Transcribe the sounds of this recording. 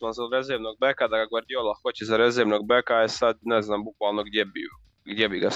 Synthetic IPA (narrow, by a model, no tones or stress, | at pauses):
lanzaɾezeʋnoɡ̚bekad̪aɡaɡəɾd̪iolˠaxot͡ɕezaɾezeʋnoːɡbekaɛsad̪neznaːmbukʋaːlˠnoɡd̪jebḭ | ɡd̪jebiɡa